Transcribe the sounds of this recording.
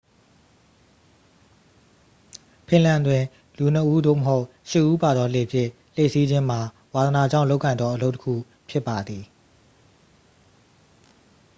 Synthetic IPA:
pʰɪ̃˨lã˨ndwɪ̃˨ | lu˨n̥əʔu˦d̪o̰˦˨məɦo˦ʊʔ | ʃɪ˦˨ʔu˦pa˨d̪ɔ˦le˨pʰjɪ̃˦˨ | l̥e˦˨si˦d͡ʑɪ̃˦m̥a˨ | wa˨d̪əna˨d͡ʑã˦˨ʊlo˦ʊkːã˨ɪ̃nd̪ɔ˦ʔəlo˦ʊtə˦kʰṵ˦˨ | pʰjɪ˦˨pːa˨d̪i˨

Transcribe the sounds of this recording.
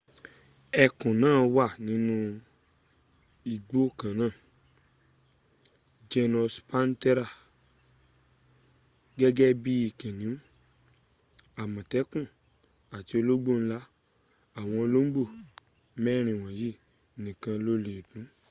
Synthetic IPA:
ɛ˧kũ˨nãː˦˨wa˦˨nĩ˨˦nũ˦ | i˨ɡ͡bo˦˨kã˨nãː˦˨ | d͡ʒɛ˧nɔ˧spa˦n˦tɛ˦ɾa˦˨ | ɡɛ˦ɡɛ˦bi˦i˨kɛ̃˨nĩ˨˦ũ˦ | a˨mã˨tɛ˨˦kũ˦˨ | a˨ti˧o˧lo˦ɡ͡bo˦˨n̩˦la˦ | a˨w̃ɔ̃˧o˧lo˦m̩˦ɡ͡bo˦˨ | mɛ˦˨ɾ̃ĩ˨w̃ɔ̃˨ji˦˨ | nĩ˨kã˧lo˦le˨dũ˨˦

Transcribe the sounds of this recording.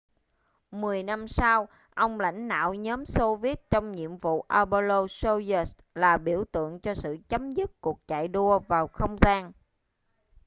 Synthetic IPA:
mɨ˨˩əjna˧msaː˧w | ʔə˧wŋ͡mla̰˧˥jŋ̟ɗa̰ː˧˨wɲɔː˨˦mso˧vi˦˥t̚t͡ɕɔ˧wŋ͡mɲḭ˧˨əmvṵ˧˨ʔaː˧ɓo˧lo˧so˧zə˨˦s | laː˨˩ɓi˧˩əwt̪ɨ̰˧˨əŋt͡ɕɔ˧sɨ̰˧˨t͡ɕə˨˦mzɨ˦˥t̚ku˨˩ək̚t͡ɕa̰ː˧˨jɗu˧əvaː˨˩wxə˧wŋ͡mzaː˧n

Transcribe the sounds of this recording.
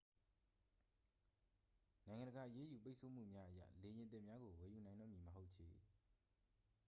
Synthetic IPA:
nã˨ɪ̃ŋã˨ndəɡa˨ʔəje˦ju˨p̬e˦ɪʔsʰo˨m̥ṵ˦˨mja˦ʔəja̰˦˨le˨jɪ̃˨nt̪̬ɪ̰̃˦˨mja˦ɡo˨wɛ˨ju˨nã˨ɪ̃ndɔ̰˦˨mji˨məɦo˦ʊʔt͡ɕʰḛ˨

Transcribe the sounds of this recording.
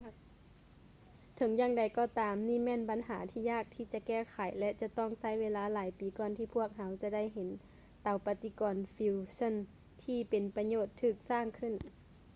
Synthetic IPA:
t̪ʰɤ˨˦ŋjaː˧˥ŋda˨˦jkɔː˧˩t̪aː˨˦mniː˧˥˩mɛː˧˥˨nba˨˦nɦaː˩˦t̪ʰiː˧jaː˧˥˩k̚t̪ʰiː˧˩t͡ɕa˧kɛː˧˥˩kʰa˨˦jlɛ˧˥t͡ɕa˧t̪ɔ˥˩ŋsa˧˩˨jweː˧˥laː˧˦laː˨˦jpiː˨˦kɔː˧nt̪ʰiː˧˩pʰu˥˩ək̚ɦa˧˦wt͡ɕa˧da˥˩˨jɦe˨˦n | t̪a˨˧˦wpa˧t̪i˧˦kɔː˨nfiː˧wsɔ˧˥˨n | t̪ʰiː˧˩pe˨npa˧ɲoː˧˩t̪ʰːɯː˧˩k̚saː˧˥˩ŋkʰɯ˧˨n

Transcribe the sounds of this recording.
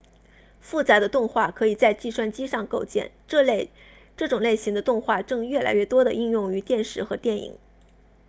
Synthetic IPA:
fu˥˩t͡sa˧˥d̪ə˧t̪ʊ˥˧ŋxwa˥˩kʰɤ˧˥i˨˩t͡sa˥˧ɪt͡ɕi˥˧ʂwa˥˩nt͡ɕi˥ʂɑ˥˧ŋko˥˧ʊt͡ɕjɛ̰˥˩n˥˧ | ʈ͡ʂɤ˥˩ʈ͡ʂʊ˨˩ŋle˥˩ɪɕi˧˥ŋd̪ə˧t̪ʊ˥˧ŋxwa˥˧ʈ͡ʂɤ˥˧ŋɥɛ˥˩la̰˧˥ɪɥɛ˥˩t̪wɔ˥d̪ə˨ʔi˥˧ŋjʊ˥˩ŋy˧˥t̪jɛ˥˧nʂɻ̩˥˩xɤ˧˥t̪jɛ˥˩nḭ˨˩˦ŋ

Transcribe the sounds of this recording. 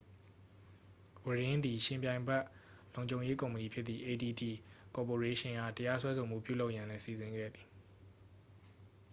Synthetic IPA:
wə˨ɹɪ̃˦nd̪i˨ʃɪ̃˨mpjã˨ɪ̃mbɛ˦ʔ | lõ˨ʊ̃ɲd͡ʑõ˨ʊ̃je˦kõ˨mpəni˨pʰjɪ˦t̪t̪ːi˨ʔe˨di˨ti˨kɔ˨po˨ɹe˦ʃɪ̃˨ŋʔa̰˦˨təja˦swɛ˦sʰo˨m̥ṵ˦˨pjṵ˦˨lo˦ʊʔjã˨lɛ̃˦si˨zɪ̃˨ŋɡɛ̰˦˨d̪i˨

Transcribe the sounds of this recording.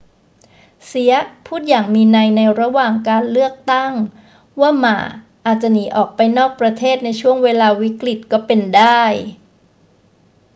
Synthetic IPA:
si˨˦ɐpʰuː˥˩t̪̚jaː˨˩ŋmiː˧na˧jna˧jɾa˧waː˨˩ŋkaː˧nlɯ˥˩ək̚t̪a˥˩ŋ | waː˥˩ma̰ː˨˩˦ | ʔaː˨˩t̪̚t͡ɕa˨˩niː˨˩˦ʔɔː˨˩k̚pa˧jnɔː˥˩k̚pɾa˧t̪ʰeː˥˩t̪̚na˧jt͡ɕʰu˥˩əŋweː˧laː˧wi˦˥kli˨˩t̪̚kɔː˥˩pe˧ndaː˥˩j

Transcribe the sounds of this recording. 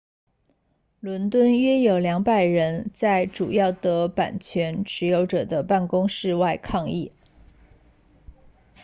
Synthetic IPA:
lwə˧˥nt̪wə˥˩nɥɛ˥jo˨˩ʊljɑ˧˥ŋpa˨˩ɪɻə˧˥nt͡sa˥˩ɪʈ͡ʂṵ˨˩jɑ˥˩ʊt̪ɤ˧˥pa̰˨˩nt͡ɕʰɥɛ˧˥nʈ͡ʂʰɻ̩˧˥jo˧˥ʊʈ͡ʂɤ˨˩d̪ə˦pa˥˩nkʊ˥ŋʂɻ̩˥˧wa˥˧ɪkʰɑ˥˧ŋi˥˩

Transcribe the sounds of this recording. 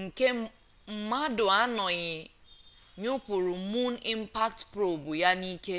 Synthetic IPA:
ŋ̩˨ke˦ | m̩˨ma˦dʊ˨a˦nɔ˨ɣɪ˨ | ɲʊ˦pʊ˨ɾʊ˨˦mu˦n˦i˦m̩˦pa˦ktpɾo˨bu˨ja˦ni˦ke˦

